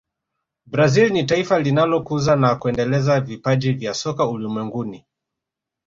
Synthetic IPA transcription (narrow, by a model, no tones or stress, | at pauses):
bɾazilnitaifalinalɔkuzanakuɛndɛlɛzavipaʄivjasɔkaulumwɛŋɡuni